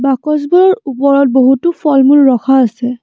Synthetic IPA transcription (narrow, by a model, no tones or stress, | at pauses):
bakɔz̬bɔlɔɹupɔɹɔt̚boɦutupʰɔlmulːɔkʰaːsɛ